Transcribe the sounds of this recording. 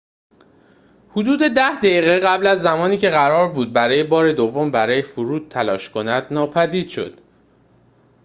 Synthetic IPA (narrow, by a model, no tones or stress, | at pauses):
hud̪uːd̪e̞d̪æhd̪æiːɣeɢæblæzːæmɒːniːcʰe̞ɣæɾɒːɾbuːd̪̚bæɾɒːje̞bɒːɾe̞d̪ovːo̞mbæɾɒːjefuɾuːd̪̥̚t̪ʰælɒːʃkʰo̞næd̪nɒːpʰæd̪iːd̪̥ʃo̞̰d̪̥